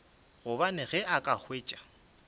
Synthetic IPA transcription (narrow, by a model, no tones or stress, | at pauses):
ɣʊbanɪɣɛʔakʼak͡xweːt͡ʃʼḁ